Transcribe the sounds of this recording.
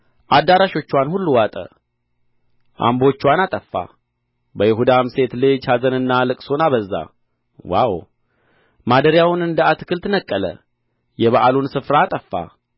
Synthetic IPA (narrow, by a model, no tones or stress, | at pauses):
ʔad̪ːaɾaʃo̞t͡ʃːwanhulːuwat̪ʼə̰ | ʔa̰mbo̞t͡ʃːwanat̪ʼəfːa̰ | bəjɪɦud̪amse̞t̪lɨd͡ʒhazənɨnːalɨkʼsonaβəzːa̰ | wa̰w | mad̪əɾjawʊnɨnd̪əat̪ɨkʰɨlt̪ʰɨnəkʼːələ̰ | jɛβaʔalunsɨfɾaːt̪ʼəfːa̰